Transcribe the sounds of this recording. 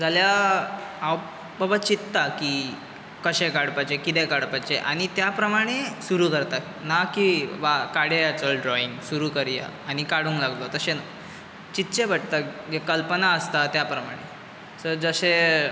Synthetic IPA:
d͡zalja | aw | bəbat͡ɕit̪ːaki | kəɕẽkaɽpat͡ɕekit̪ekaɽpat͡ɕeʔaɽ̃it̪japɾəmaɽ̃esuɾukəɾt̪a | nakiʋakaɽejat͡səɖɾɔiŋɡsuɾukəɾja̰añikaɽũŋklaɡt̪ot̪əɕena | t͡ɕit̪ːt͡ɕebʱəʈt̪aekəlpənaəst̪at̪japɾəmaɽ̃e | səɾd͡zəɕe

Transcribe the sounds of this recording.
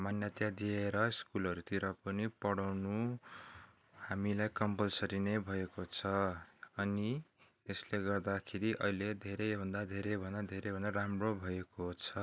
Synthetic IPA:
manjʌt̪jad̪ieɾʌiskulʌɾut̪iɾʌpʌnipʌɽawnu | hamilajkʌmpʌlsʌɾinebʱʌekot͡sʰʌː | ni | esleɡʌrd̪akʰeɾiʔʌ̰ɦiled̪ʱeɾejbʱʌnd̪ad̪ʱeɾebʱʌnd̪ad̪ʱeɾejbʱʌnd̪aɾamrobʱʌekot͡sʰʌ

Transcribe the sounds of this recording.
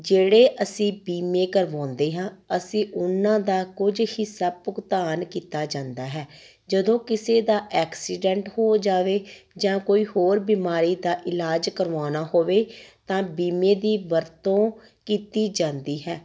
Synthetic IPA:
d͡ʒeːɽeːʔəsĩːbiːmeːkəɾʋãːnd̪eːɦãːəsĩːʔʊnãːd̪aːkʊd͡ʒhɪsaːpʊɡt̪aːnkiːt̪aːd͡ʒãːnd̪aːɦɛː | d͡ʒəd̪õːkɪseːd̪aːʔɛːksiːɖɛ̃ɳʈhoːd͡ʒaːʋeːd͡ʒãːkoːiːhoːɾbiːmaːɾiːd̪aːʔɪlaːd͡ʒkəɾʋãːnaːhoːʋeːt̪ãːbiːmẽːd̪iːʋəɾt̪õː | kiːt̪iːd͡ʒãːnd̪iːɦɛː

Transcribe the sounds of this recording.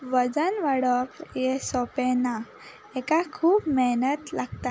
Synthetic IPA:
ʋəd͡zənʋəɽəpjesɔpɛna | ɛkakʰuːpmɛɦnət̪laɡt̪a

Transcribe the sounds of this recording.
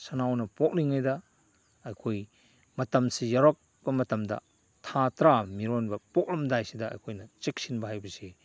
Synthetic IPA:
sɐnawnɐpok̚liŋajdɐː | jkʰoj | mɐtɐmsijɐɾok̚ | b̥ɐmɐtɐmdɐ̰ | tʰatɾamiɾonbɐpɔk̚lɐmdajsidɐɐ̰jkʰojnɐt͡ʃek̚sinbɐɦajbɐse

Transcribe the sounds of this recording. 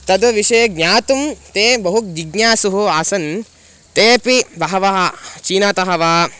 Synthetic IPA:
t̪ɐd̪ɐʋiʃɐjɐɡɲaːt̪umt̪eːbɐɦuk̚d͡ʒiɡɲaːsuɦuaːsɐn | t̪eːpibɐɦɐʋɐɦɐt͡ʃiːnaːt̪ɐɦɐʋaː

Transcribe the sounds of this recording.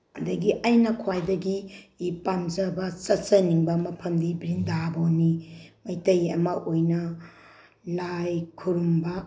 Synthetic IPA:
ɐdɐɡiʔajnɐkʰwajdɐɡiːpand͡ʒɐbɐt͡ʃɐt͡ʃɐniŋbɐmɐpʰɐmdibɾindabonimɐjtɐjɐmɐʔojnɐ | lajkʰuɾumbɐ

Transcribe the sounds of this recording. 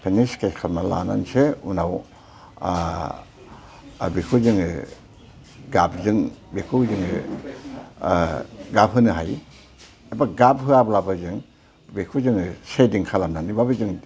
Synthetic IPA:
pʰeniskeskʰalmala̰na̰nseunaw | bikʰuzɯŋɯ | ɡab̚ʰzɯŋbikʰuzɯŋɯ | ɡap̚ɦɯnɯɦaj | ebaɡap̚ɦɯablabɯzɯŋ | bikʰuzɯŋɯsediŋkʰalamnanibabɯzɯŋ

